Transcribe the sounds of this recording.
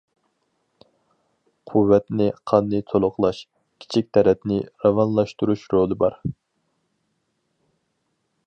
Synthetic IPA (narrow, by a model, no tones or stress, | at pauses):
qʰuvːɛt̪nɪqʰɑnːɨt̪ʰolˠʊqlˠɑʃ | kʲʰi̥t͡ʃʰik̚ʲt̪ʰɛɾɛt̪nɪɾɑvɑnlˠɑʃt̪uɾuʃɾolˠɨbɑɾ